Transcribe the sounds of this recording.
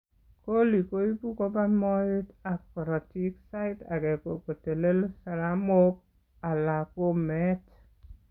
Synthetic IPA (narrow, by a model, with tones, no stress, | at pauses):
ko˦li˨ko˦i˦pu˦ko˦ba˦mɔ˦e˦ta˨kɔ˨ɾɔ˨ti˦ksa˦ɪ˦ta˨kɛ˨ko˨ko˨te˨le˦lsa˨la˦mo˦p̚ | a˨la˨ko˦mɛ˦t